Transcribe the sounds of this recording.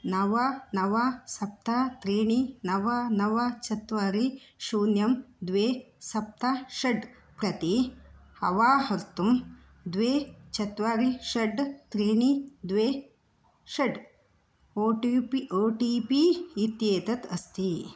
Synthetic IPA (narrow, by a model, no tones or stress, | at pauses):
nɐʋɐnɐʋasɐp̚t̪ʰat̪ɾiːɳinɐʋɐnɐʋɐt͡ʃɐt̪ʋaːɾi | ʃuːnjɐmd̪ʋeː | sɐp̚t̪ʰaʃɐɖ | pɾɐt̪ihɐ̰ʋaːɦɐɾt̪um | d̪ʋeːt͡ʃɐt̪ʋaːɾiʃɐɖt̪ɾiːɳid̪ʋeː | ʃɐɖ | oːʈipioːʈiːpiːt̪jeːt̪ɐt̪ɐst̪i